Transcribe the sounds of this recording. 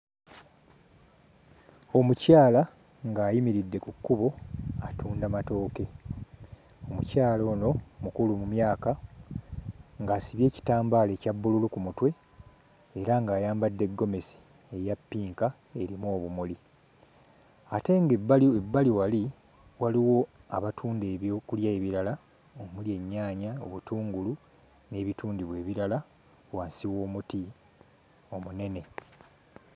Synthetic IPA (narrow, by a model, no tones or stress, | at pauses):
o̞mucaːla | ŋɡaːjimiɾidːe̞kukːuβo̞atʰuːndamato̞ːke̞ | o̞mṵcaːlo̞ːno̞mukulumumjaːka | ŋɡaːsiβje̞ːci̥taːmbaːle̞ːcabːululukumutwe̞ | eɾaŋɡaːjaːmbadːe̞ɡːo̞me̞si̥ | e̞japːiːŋka | e̞ɾimoːβumuli | ate̞ŋɡebaebːaliwali | waliwo̞aβatʰuːndeokuljaeβiɾala | omulje̞ɲːaːɲaoβutuːŋɡulu | ne̞ːβituːndiβwe̞ːβiɾala | waːnsiwo̞ːmuti | o̞mune̞ne̞